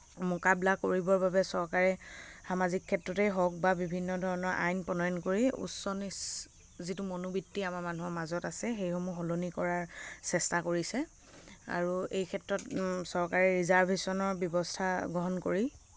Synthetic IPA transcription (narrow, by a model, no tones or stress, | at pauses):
mɔkablakoɹibɔɹbabɛsɔɹkaɹɛxamazikʰːɛtɹɔtɛjɦɔk̚babibʱinːɔdʱɔɹɔnɔɹʔa̰jnpɔnɔjɔnkoɹiṵsːɔnis | zitumonubitːiamaɹmanuɦɔɹmazɔtasɛxejxɔmuxɔlonikɔɹaɹsɛstakoɹisɛ | a̰ɹuejkʰɛtɹɔtsɔɹkaɹɛɹizaɹbʱesɔnɔɹbjɔbɔstʰaɡɹɔɦɔnkoɹi